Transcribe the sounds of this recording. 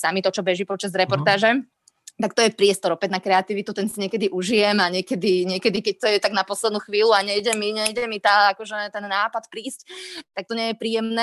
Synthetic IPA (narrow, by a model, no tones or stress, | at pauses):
samit̪ɔt͡ʃɔbɛʒipɔt͡ʃazɾɛpɔɾt̪aːʒɛ | t̪ak̚t̪ɔjɛpɾɪɛst̪ɔɾɔpɛdnakɾɛat̪iʋit̪ut̪ɛnsiɲɪɛkɛd̪iʔuʒijɛmaɲɛkɛd̪iɲɪɛkɛd̪ikɛc̚t̪ɔjɛt̪aɡnapɔslɛd̪nuːxʋiːluaɲɛjɟɛmiɲɛjɟɛmit̪aːakɔʒɛt̪ɛnːaːpat̪pɾiːsct̪ak̚t̪ɔɲɛjɛpɾiːjɛmnɛː